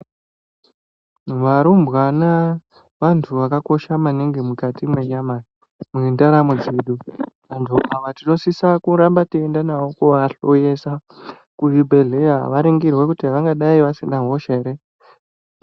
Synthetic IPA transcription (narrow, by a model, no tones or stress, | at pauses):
ʋaɾumbwana | ʋantʰuʋakako̞ʃamaneŋɡemukatimwe̞ɲama | mwendaɾamud͡ziɗuʋand͡ʒʰoaʋatino̞sisakuɾambatiendanawokuʋaɬojesa | kujibʱe̞ɮeaʋaɾeŋɡirwe̞kutiɦaʋaŋɡaɗaiʋasindaɦo̞ʃaeɾe